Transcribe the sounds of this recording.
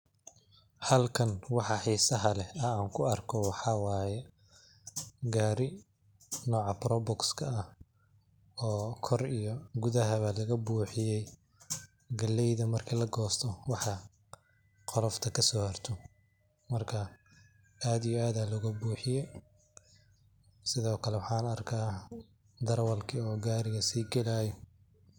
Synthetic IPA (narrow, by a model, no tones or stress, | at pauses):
hɐlkʰɐnwɑħɑħiːsɐɦɐlɛɐaːŋkʰʊɐrkʰɔwɑħɑːwɑːjɛ | ɡaːɾɪ | nɔːʕɑpɾɔbɔkskʰɐɐh | ɔːkʰɔrijɔɡʊðɐɦɐβalɐɣɐbuːħɪjɛj | ɡɐlːɛjðɐmɐrkʰilɐɡɔːst̪ʰɔwɑħɑ | qɔlɔft̪ʰɐkʰɐsɔːhɐrt̪ʰɔ | mɐrkʰɐ | aːd̪ijɔaːðaːlɔɣɐbuːħɪjɛj | sɪðɔːkʰɐlɛwɑħɑːnɐrkʰaː | d̪ɐrwɐlkʰɪɔːɡaːɾɪɣɐsiːɡɛlaːjɔ